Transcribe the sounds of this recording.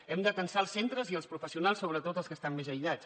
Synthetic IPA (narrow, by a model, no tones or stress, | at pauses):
ɛmd̪əkənsaəlˠsent̪ɾəziəlˠspɾufəsiunalˠsːoβ̞ɾət̪ot̪əlˠskəst̪ammːezəjʎat͡s